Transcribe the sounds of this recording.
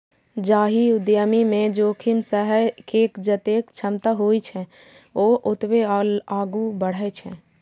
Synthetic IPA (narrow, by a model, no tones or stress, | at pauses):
d͡ʒaːɦiʊd̪jəmimẽd͡ʒoːkʰimsəɦəjkeːkd͡ʒət̪ekt͡ʃʰəmt̪aɦojt͡ʃʰɛ̃ | oʔot̪ʋelaːɡubəɽ̤ət͡ʃʰɛ̰̃